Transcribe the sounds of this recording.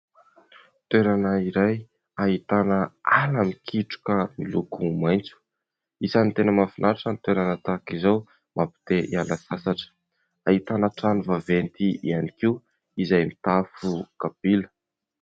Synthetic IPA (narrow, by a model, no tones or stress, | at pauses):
t̪weɾanəiɾaj | aɦit̪anəalamikʰiʈ͡ʂu̥kəmilukumajnt͡su̥ | isanint̪enəmafinaɾaʈ͡ʂənt̪weɾanət̪akizaw | mʔapi̥t̪eʔialəsasaʈ͡ʂə̥ | aɦit̪anəʈ͡ʂanuvavent̪iḭanikiw | izajmit̪afukapilə̥